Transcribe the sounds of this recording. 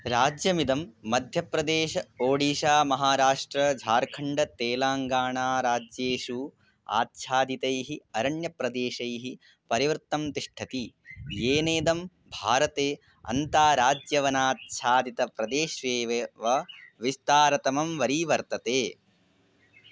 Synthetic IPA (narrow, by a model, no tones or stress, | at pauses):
ɾaːd͡ʒjɐmid̪ɐmːɐd̪ʱjɐpɾɐd̪eːʃɐoːɽiːʃaːmɐɦaːɾaːʂʈɾɐd͡ʒʱaːɾkʰɐɳɖɐt̪eːlaːŋɡaːɳaːɾaːd͡ʒjeːʃu | a̰ːt̪ʃʰaːd̪it̪ɐjɦiɐɾɐɳjɐpɾɐd̪eːʃɐjɦi | pɐɾiʋɐɾt̪ːɐmt̪iʂʈʰɐt̪ijeːneːd̪ɐm | bʱaːɾɐt̪eː | ɐ̰nt̪aːɾaːd͡ʒjɐʋɐnaːt̪̚ʃʰaːd̪it̪ɐpɾɐd̪eːʃʋeːʋeʋɐʋist̪aːɾɐt̪ɐmɐmʋɐɾiːʋɐɾt̪ɐt̪eː